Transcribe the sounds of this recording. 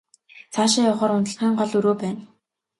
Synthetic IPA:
t͡sʰaːʃɪ̆ːɔχɔːɾʊnt̪ə̆ɮχiːŋɢɔɮuɾoːpæːn

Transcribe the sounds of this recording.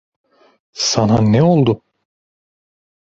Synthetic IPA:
sananɛolˠd̪ʊ

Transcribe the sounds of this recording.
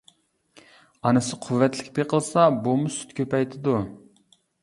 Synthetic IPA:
ɑnɨsɨqʰʊvːɛt̪lɪkʲpeqʰəlˠsɑbumusy̥t̪kʲʰøpɛjt̪ʰɪd̪u

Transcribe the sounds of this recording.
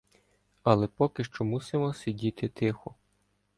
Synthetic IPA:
ɐlˠɛpɔkɪʃt͡ʃɔmusɪmɔsʲidʲit̪ɪt̪ɪxɔ

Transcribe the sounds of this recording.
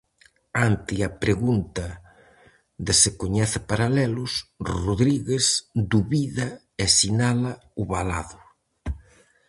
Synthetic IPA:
ant̪iɐpɾeɣunt̪ɐ | ðesekoɲɛθɪpaɾalɛlʊsroðɾiɣesd̪uβiðɐ | esinalɐ | ʊβala̰ðʊ

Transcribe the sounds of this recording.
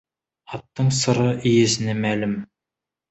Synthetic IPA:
ɑt̪ːəɴsə̆ɾɤʔijezɪnemælɪm

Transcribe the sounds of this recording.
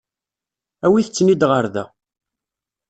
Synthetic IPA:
æwiθət͡sːnid̪ʁəɾðæ̰

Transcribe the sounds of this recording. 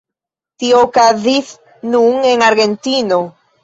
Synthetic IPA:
t̪iokaðiθ | nuŋeŋaɾɣent̪ino

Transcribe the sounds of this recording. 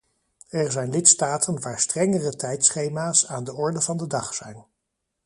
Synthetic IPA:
ɛɹzɛjnlɪtstaːtʰənʋaːɹstrɛŋərətɛjtsχejmaːsaːndəɔɹdəvɑndədɑχsɛjn

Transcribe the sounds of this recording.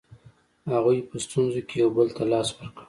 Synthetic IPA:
haɣujpəst̪unzokejawbəlt̪alɑswəɾkə

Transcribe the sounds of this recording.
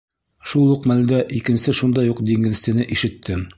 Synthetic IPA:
ʃulˠuqmæld̪æʔikɘ̆nsɘʃund̪ɑjuqd̪iŋɘ̆ðsɘ̆nɘʔiʃɘ̆t̪ʰːɘm

